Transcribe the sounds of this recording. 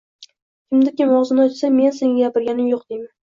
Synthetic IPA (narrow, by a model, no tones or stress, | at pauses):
kʲʰɪmd̪ɪkʲɪmɒwzɪnɪɒt̪same̞nseŋʲaaɡʲapɪɾɡʲanɪmjoqd̪ejma